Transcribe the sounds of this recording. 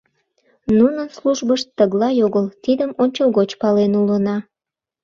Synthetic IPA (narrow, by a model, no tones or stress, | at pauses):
nunənsluʒbəʃt̪ːəɣlɑjoɣəlt̪id̪əmonʲt͡ɕolɣot͡ɕpɑlenulənɑ